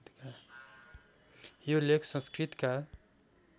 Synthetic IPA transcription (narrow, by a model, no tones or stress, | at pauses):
t̪ka | jolekʰsʌ̃nskɾit̪ka